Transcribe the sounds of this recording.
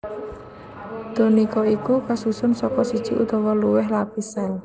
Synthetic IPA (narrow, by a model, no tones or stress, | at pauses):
d̪̥o̤nikɔikukasusʊnsɔkɔsid̥ʒ̥i̤̰ʔut̪ɔwɔluwɪhlapisɛl